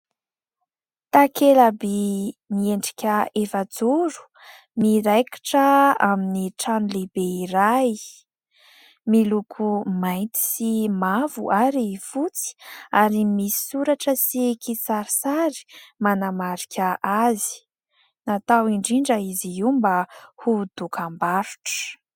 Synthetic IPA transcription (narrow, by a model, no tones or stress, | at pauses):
t̪akelabenieɳɖ͡ʐi̥kʲəefad͡zuɾu̥ | miɾajkḁʈ͡ʂəaminiʈ͡ʂanulebeiɾaj | milukʰumajnt̪i̥simavṵʔaɾifut͡si̥aɾimisi̥suɾaʈ͡ʂəsikʰit͡saɾisaɾi̥manamaɾikʲʰaʔazi̥ | nat̪awiɳɖ͡ʐiɳɖ͡ʐaiziimbahud̪̥ukambaɾu̥ʈ͡ʂə̥